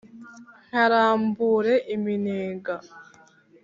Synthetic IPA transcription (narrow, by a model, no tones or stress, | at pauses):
ŋ̥aɾaːmbuːɾeʔimineːɡa